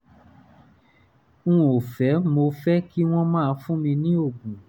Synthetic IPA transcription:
ũ˦o˨fɛ˨˦mo˧fɛ˦ki˦w̃ɔ̃˦mãː˦˧fũ˦mĩ˧nĩ˦o˦˨ɡũ˨

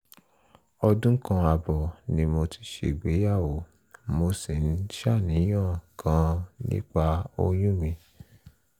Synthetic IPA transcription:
ɔ˧dũ˦kã˧a˧bɔ˨nĩ˧mo˧ti̥˧ʃḛ˨ɡ͡be˨˦ja˦˨wo˨ | mo˧si˨n̩˦ʃa˦˨nĩ˨˦j̃ã˦˨kʰã˧nḭ̃˦k͡pa˧o˧j̃ũ˦mĩ˧

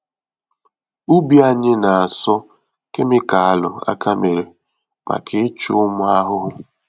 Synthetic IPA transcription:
u˦bi˦a˨ɲɪ˦na˨a˨sɔ˦ | ke˦mɪ˦ka˨a˨lʊ̰˨a̰˦kʰa˦me˨ɾe˨ | ma̰˨kʰɪ˦t͡ʃʊ˦ʊ˦mʊ˦a˦ɦʊ˦ɦʊ˦

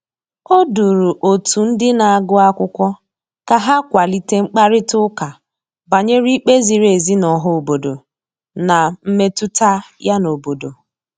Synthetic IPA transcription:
o˦du˨ɾu˨ʔo˨tu˨n̩˦dɪ˦na˨a˨ɡʊ˦a˦kʷʊ˦kʷɔ˦ | ka˨ɦa˦kʷa˨li˦te˦ŋ͡m̩˦k͡pa˦ɾɪ˦tʊ˦ka˨ | ba˨ɲe˦ɾi˦k͡pe˦zi˨ɾe˨zi˦nɔ˨ɦʊ˦o˨bo˨do˨ | na˨m̩˦me˦tu˦ta˦ja˦no˨bo˨do˨

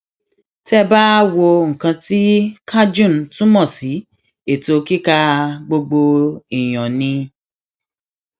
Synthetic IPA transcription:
tɛ˦ba˦wo˧ŋ̩˨kã˧ti˦kʰa˦d͡ʒũ˦˨n˨tũ˦mɔ̃˦˨si˨˦ | e˨to˧ki˦ka˧ɡ͡bo˧ɡ͡bo˧i˨j̃ɔ̃˨nĩ˧

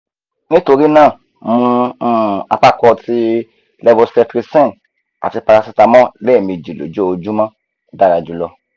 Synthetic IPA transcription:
nĩ˦to˧ɾi˦nãː˦˨ | mũ˧˦˧ | a˧pa˦kɔ˧ti˧ | lɛ˦vɔ˧stɛ˧tɾi˧˦sɛ̃˦˨n | a̰˨ti˧pa˧ɾa˧si˧ta˧mɔ̃˦lɛː˦˨mĩ˧d͡ʒi˨lo̰˨d͡ʒo˦o˧d͡ʒu˦mã˦ | da˦ɾa˧d͡ʒu˨˦lɔ˧

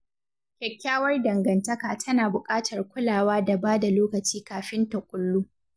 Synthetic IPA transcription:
kʲɛ˨kʲːaː˦wɐ˦rdɐ˨ŋɡɐ˨ntɐ˦kaː˨tʰɐ˦naː˨bʊ˨kʼaː˦tʰɐ˨rkʷʊ˦laː˨waː˦da˨baː˦da˨loː˦kɐ˨t͡ʃiː˦kaː˨ɸɪ˦ntɐ˨kʷʼʊ˦lːuː˦

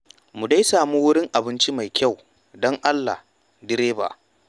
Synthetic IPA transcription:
mu˨da˦jsaː˨mu˦wʊ˦ɽɪ˦ŋʔa˨bɪ˦nt͡ʃi˦ma˨jkʲa˦˨w | dɔ˦ŋʔa˦lːa̰˨h | dɪ˦ɾeː˦ba̰ː˨ʔ

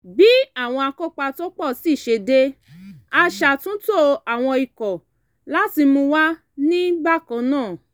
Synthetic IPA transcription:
bi˦a˦˨w̃ɔ̃˧a˧ko˦k͡pa˧to˦k͡pɔ˦˨si˦˨ʃe˧de˦ | a˧ʃa˧˨tũ˦to˦a˨w̃ɔ̃˧i˨kɔ˨ | la˦ti˧mũ˧wa˦ | nĩ˦ba˦˨kã˧˦nãː˦˨

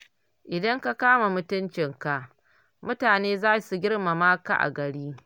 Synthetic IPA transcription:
ʔɪ˨dɐ˦ŋka˦kaː˦ma˨mʊ˦tʊ˦nt͡ʃɪ˨ŋka˨ʔ | mʊ˦taː˨neː˦zaː˦˨su˨ɡʲɪ˦rma˨maː˦ka̰˨ʔa̰˨ɡɐ˨ɽiː˦

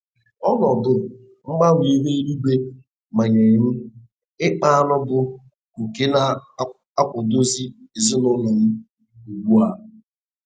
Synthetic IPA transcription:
ɔ˦nɔ˨dʊ˨ | ŋ͡m̩˦ɡ͡ba˦ŋʷi˨˦ɦe˦i˦ɾu˦ɡ͡be˦ | ma˨ɲe˨m̩˦ | ɪ˦k͡pa˦a˦nɔ˦bʊ˦ | ŋ̩˨ke˦na˦ | a˦kʷʊ˨do˦zi˦e˨zɪ˦nʊ˦nɔ˨m̩˦ | u˨ɡ͡bʷu˦a˨˦

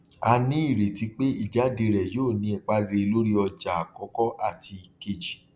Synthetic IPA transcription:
a˧nĩ˦i˦˨ɾe˨ti˨˦k͡pe˦ḭ˦˨d͡ʒa˨˦de˧ɾɛ˨joː˦˨nĩ˧˦ɛ˨k͡pa˦ɾe˧lo˦ɾi˦ɔ˧d͡ʒa˨a˨kɔ˨˦kɔ˦ʔa˦˨ti˧ke˧˨d͡ʒi˨

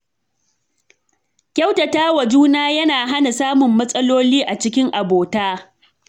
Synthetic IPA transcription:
kʲɐ˦wtɐ˨taː˦wɐ˨d͡ʒuː˦naː˦jɐ˦naː˨ɦa˦na˨saː˦mʊ˨mːɐ˦sʼɐ˦loː˦liː˦ʔa˨t͡ʃɪ˦kʲɪ˦ŋʔa˨boː˨taː˦

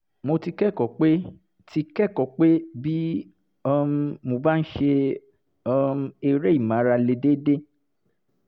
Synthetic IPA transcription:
mo˧ti˧kɛ˦˨kɔ˨k͡pe˦ | ti˧kɛ˦˨kɔ˨k͡pe˦bi˦ | ɔ˧mo˧ba˦n̩˦ʃe˧ | ɔ˧e˧ɾe˦i˦˨mã˨˦ɾa˧le˧de˦de˦

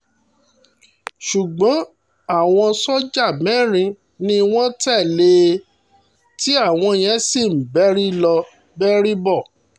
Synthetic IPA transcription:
ʃu˨ɡ͡bɔ̃˨˦ | a˦˨w̃ɔ̃˧sɔ˦d͡ʒa˦˨mɛ̃˦˨ɾ̃ĩ˧ | nĩ˦w̃ɔ̃˦tɛ˦˨le˦ | ti˦a˦˨w̃ɔ̃˧jɛ̃˨˦si˦˨m̩˨bɛ˦ɾi˦lɔ˧ | bɛ˦ɾi˦bɔ˦˨

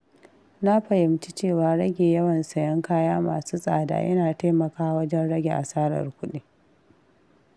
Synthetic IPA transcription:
na˦ɸɐ˨jɪ˨mt͡ʃi˦t͡ʃeː˦˨waː˨ɾɐ˦ɡʲeː˨jɐ˦wɐ˨nsɐ˨jɐ˦ŋkaː˦jaː˦ma̰ː˨suː˦sʼa̰ː˨da̰ː˨˦jɐ̰˦naː˨ta˦mɐ˨kaː˦wɐ˦d͡ʒɛ˦nɽɐ˦ɡʲe˨ʔa̰˨saː˦ɾɐ̰˨rkʷʊ˦ɗi˦

